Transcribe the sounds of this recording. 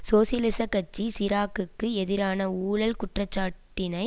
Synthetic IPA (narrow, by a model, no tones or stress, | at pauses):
soːsɪjlɪsɐkːɐt͡ʃːisɪɾaːkɯkːɯɛðɪɾaːnɐuːɭɐlkʊʈrɐt͡ʃːaːʈːɪnɐɪ